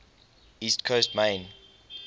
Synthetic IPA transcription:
iːstkʰostmẽɪn

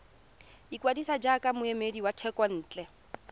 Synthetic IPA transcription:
ikwadisad͡ʒakamʊemediwatʰɛkwan̩ːt͡ɬʼɛ

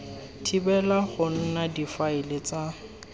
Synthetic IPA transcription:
tʰibɛlaχʊn̩nadifaɪlɪt͡sa

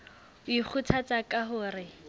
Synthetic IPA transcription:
ik͡xʰut͡sʰat͡sakʼaɦʊːrɪ

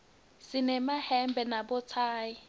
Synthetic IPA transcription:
sɪnɛmahɛmbʱɛnabɔt͡sʰaːji

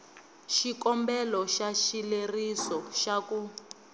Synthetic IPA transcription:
ʃikɔmbɛlɔʃaʃilerisɔʃaku

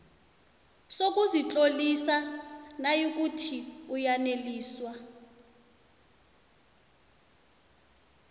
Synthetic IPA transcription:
sok̬ʼuzit͡ɬʼolisanajok̬utʰiujaneliːswa

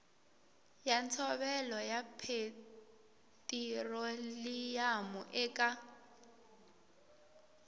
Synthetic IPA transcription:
jant͡sʰɔβɛlɔjapʰe | tʼirɔlijamɔʔɛːkʼa

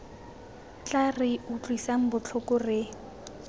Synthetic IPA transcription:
t͡ɬʼarɪʊt͡ɬʼwisaŋ̩bʊt͡ɬʰʊkʊrɪ

